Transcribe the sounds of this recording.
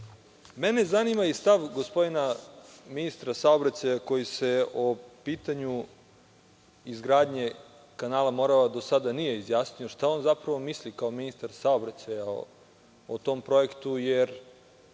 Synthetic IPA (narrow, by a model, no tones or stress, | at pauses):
mene̞zanimaist̪aʋɡo̞spo̞d̪inaminist̪ɾasaobɾat͡ɕajako̞jise̞opiːt̪aɲu | izɡɾaːd̪ɲe̞ | kanaːlamo̞ɾaʋad̪o̞sad̪anije̞izjaːsnijo̞ʃt̪ao̞nzapɾaʋo̞mislikao̞minist̪aɾsaobɾat͡ɕajao | ot̪o̞mpɾo̞e̞kt̪ujeɾ